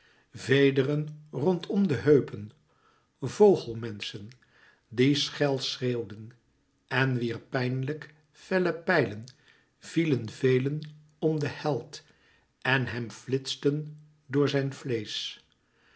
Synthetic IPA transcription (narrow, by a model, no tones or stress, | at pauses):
vejdərənrɔntʰɔmdəɦøɥpən | vowχəlˠmɛnsən | disχɛlˠsreːwdən | ɛnʋiːɹpɛjnlək | fɛləpɛjlən | v̥ilənvejlən | ɔmdəhɛlˠt | ɛnɦɛmflɪtstən | dʊːɹzɛjnflejs